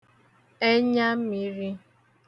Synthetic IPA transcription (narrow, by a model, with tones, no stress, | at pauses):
e˦ɲa˦mi˨ɾi˦